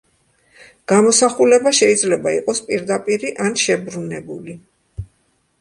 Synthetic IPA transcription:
ɡ̥amɔsaχulɛbaʃɛid̪zlɛbaiqʼɔspʼiɾd̪apʼiɾiʔanʃɛbɾunɛbuli

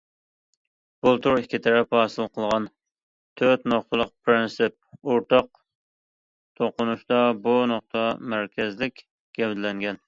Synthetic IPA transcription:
b̥ulˠt̪ʰuɾikʲʰːit̪ʰɛɾɛphɑːsɨlˠqʰəlˠʁɑn | t̪ʰøt̪noχt̪ʰɨlˠəqpʰɾɪnsɪp̚oɾt̪ʰɑq̚ | t̪ʰoqʊnuʃt̪ɑbunoχ̚t̪ʰɑmæɾkʲɛzlɪkʲ | ɡ̥ʲɛbd̪lɛŋɡʲɛn

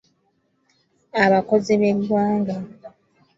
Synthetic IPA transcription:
aβako̞ziβeɾɾwaːŋɡa

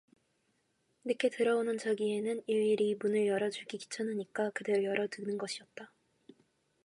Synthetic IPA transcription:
nɯkʰe̞tɯɾʌonɯnt͡ɕaɡie̞nɯniɭiɾimunɯɭjʌɾʌd͡ʑuɡiki̥t͡ɕʰʌnɯɲik͈akɯde̞ɾojʌɾʌdɯnɯnɡʌɕʰiʌt̚t͈a

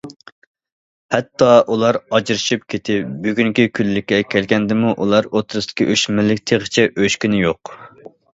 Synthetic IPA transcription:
hɛt̪ʰːɑʔulˠɑɾɑd͡ʒɾɨʃip̚kʲʰet̪ʰɪbyɡʲyŋkʲikʲʰylːɪkʲːɛkʲʰɛlkʲɛnd̪ɪmuʔṵlˠɑɾot̪ʰɾɨst̪ʰɪ̥kʲʰiʔøʃmɪlɪk̚ʲt̪ʰeʁət͡ʃʰɛʔøʃkʲynɪjoq

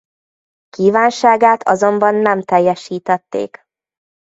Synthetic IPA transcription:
kiːvaːnʃaːɡaːt̪ʰɒ̰zo̞mbɒnːɛmt̪ɛjːɛʃiːt̪ɛt̪ːḛːk

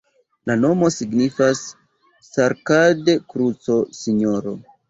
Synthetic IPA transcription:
lano̞mo̞siɡnifasː | aɾkadekɾut͡sosiɲo̞ɾo̞̰

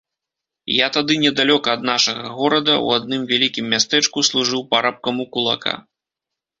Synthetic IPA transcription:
jat̪ad̪ɨnʲɛd̪alʲɔkɐːd̪naʂɐɣɐɣɔɾɐd̪ɐṵad̪̚nɨmvʲalʲikʲimːʲast̪ɛt͡ʂkuslˠuʐɨwpaɾap̚kɐmukulˠa̰kʰa̰

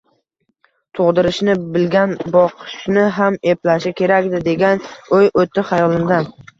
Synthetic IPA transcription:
t̪ʰoʁd̪ɪɾɪʃnɪbɪlɡʲanbɒqʰɨ̥ʃnɪɦame̞plaʃɪkʲʰe̞ɾakʲd̪ɪd̪e̞ɡʲanɵjʔot̪ʰːɪχajɒlɪmd̪an

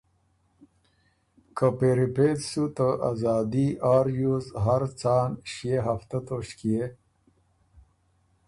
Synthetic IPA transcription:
kʰəpeɾipet̪sut̪əʔazaːd̪iʔaːɾjuzɦaɾt͡saːnɕijeɦɐft̪at̪oɕkije

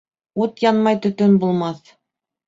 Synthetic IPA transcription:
ut̪jɑnmɑjt̪ɵ̆t̪ɵnbulˠmɑθ

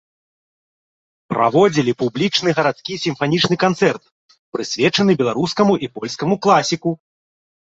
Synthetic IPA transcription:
pɾʔa̰vɔd͡zʲilʲipublʲit͡ʂnɨɣɐɾat̪skʲisʲimfanʲit͡ʂnɨkant̪sɛrt̪ | pɾɨsʲvʲɛt͡ʂɐnɨbʲɛlˠaɾuskɐmuʔipɔlʲskɐmuklˠasʲiku

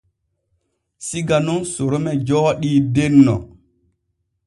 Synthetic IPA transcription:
siɡanunsoɾomɛd͡ʒɔɗiːdenːɔ̰

